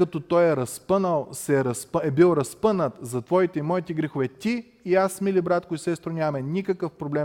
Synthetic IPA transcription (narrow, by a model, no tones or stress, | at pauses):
kɐt̪ot̪ɔjɛɾɐspɤnəlˠsɛɾɐsɛbilˠɾɐspɤnət̪zɐt̪vɔit̪ɛimɔit̪ɛɡɾixovɛt̪ʲi | iasmilibɾat̪kʊisɛst̪ɾonʲamɛnʲikəkəfpɾoblɛm